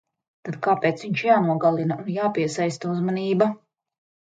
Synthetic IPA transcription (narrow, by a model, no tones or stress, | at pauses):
t̪ad̪kaːpeːt̪sviɲt͡ʃjaːnuɔɡalˠinaʔunjaːpiɛsajst̪auzmaniːba